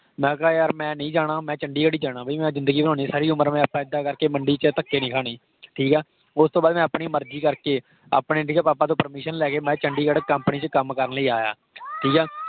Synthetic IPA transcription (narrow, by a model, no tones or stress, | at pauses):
mɛ̃ːkaːeəɾmɛ̃ːnəĩːd͡ʒaːɽ̃ãːmɛ̃ːt͡ʃəɳɖiːkəɽiːd͡ʒaːɽ̃ãːbəiːmɛ̃ːzɪnd̪əɡiːbənõːniːsaːɾiːʊməɾmɛ̃ːəpːãːɪd̪aːkəɾkeːməɳɖiːt͡ʃət̪əkːeːnɪ̃ːkʰaːneː | ʈʰiːkɛː | ʊst̪õːbaːd̪mɛ̃ːəpɳiːməɾd͡ʒiːkəɾkeː | a̰ːpneːʈʰiːkɛːpaːpãːt̪̬õːpəɾmɪːʃənlɛːkeːmɛ̃ːt͡ʃəɳɖiːkəɽkəmpniːt͡ʃəkəmkəɾnləiːaːja̰ː | ʈʰiːkɛː